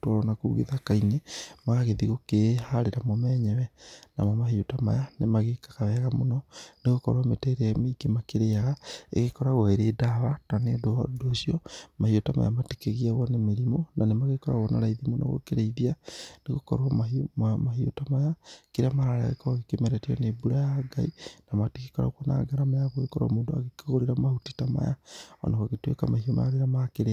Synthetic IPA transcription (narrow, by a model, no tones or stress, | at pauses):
tɔɾɔnakuuɣḛðakainemaɣeðiɣokehaɾeɾamɔmɛɲɛβɛna̰mɔmahiotama̰janemaɣekḁkaβɛɣamonɔneɣokɔɾwametɛːɾeameikemakeɾeaɣaḛɣekɔɾaɣwɔeɾeːdaβatanedodoːsiɔmahiotama̰ja̰mate̥keɣiaɣwɔnemeɾimonanemaɣekɔɾa̰ɣɔnaɾaiðimona̰ɣo̰keɾeiðianeɣokɔ̰ɾoamaimaɦio̰tamajakeɾeamaɾaɾa̰ɣḛkaɣekemɛɾɛtiɔnebuɾajaɡainamateke̥kɔɾa̰kwɔna̰ɡaɾamajaɣoekɔɾa̰mondoa̰ɣekɣoɾeɾamahotitama̰ja̰ɔ̰naɣoɣetwḛkamahioma̰jaɾeɾamakeɾe